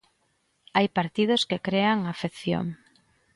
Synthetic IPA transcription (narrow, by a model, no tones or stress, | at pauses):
ajpaɾt̪ið̞oskekɾeaŋafeθjo̰ŋ